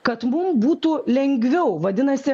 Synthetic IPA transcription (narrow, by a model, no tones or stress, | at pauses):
kɐt̪mʊmbuːt̪ulʲɛŋʲɡʲʋʲɛʊʋɐd̪ʲɪnɐsʲɪ